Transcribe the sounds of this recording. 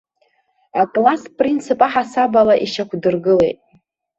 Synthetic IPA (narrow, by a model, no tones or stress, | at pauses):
akʼlaspʼrint͡sʰɨpʼaħasabalaʔiʃakʷʰdɨrɡɨle̞̰jtʼ